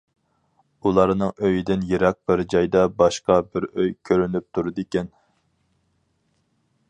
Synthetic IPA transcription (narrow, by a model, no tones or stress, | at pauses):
ulˠɑɾnɨŋøjid̪ɪnjeɾɛq̚bɪɾd͡ʒɑjd̪ɑbɑʃqɑbɪɾøjkʲʰøɾynyp̚t̪ʰuɾɨd̪ekʲɛn